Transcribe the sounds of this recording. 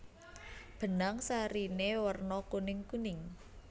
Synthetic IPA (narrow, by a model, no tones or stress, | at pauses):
b̥ə̤naŋsaɾinewərnɔkunɪŋkunɪŋ